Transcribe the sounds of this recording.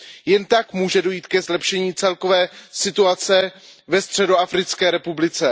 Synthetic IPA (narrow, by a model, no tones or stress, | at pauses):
jɛnt̪akmuːʒɛdo̞jiːt̪kɛzlɛpʃɛɲiːt͡sɛlko̞vɛːsɪt̪uat͡sɛvɛst̪r̥ɛdo̞afɾɪt͡skɛːɾɛpublɪt͡sɛ